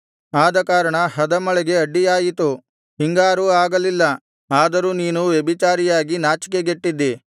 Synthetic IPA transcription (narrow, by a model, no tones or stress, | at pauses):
aːd̪ɐkaːɾɐɳɐɦɐd̪ɐmɐɭɛɡe̞ɐɖːijaːjit̪u | ɦiŋɡaːɾuaːɡɐlilːɐ | aːd̪ɐɾuːniːnuʋjebit͡ʃaːɾijaːɡinaːt͡ʃi̥k̬eɡeʈːid̪ːi